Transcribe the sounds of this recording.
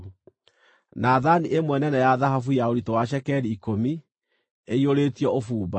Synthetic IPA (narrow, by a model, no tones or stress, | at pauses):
naðaniʔemwɛnɛnɛjaðaɦafujaoɾitowaʃɛkɛɾiːkomi | eioɾeːtiɔofuːba